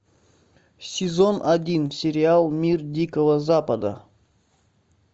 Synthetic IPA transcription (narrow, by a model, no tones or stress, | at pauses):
sʲɪzo̞nɐdʲinsʲɪɾʲɪalˠmʲirdʲikəvəzapəd̪ə̰